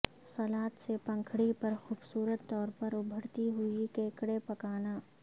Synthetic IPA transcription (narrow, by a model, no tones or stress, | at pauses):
sɐlaːt̪sepɐ̃ŋkʰɽipɐɾxuːbsuːɾət̪ːɔːɾpɐɾʊbʱəɽt̪iɦʊikẽːkɽepɐkaːnaː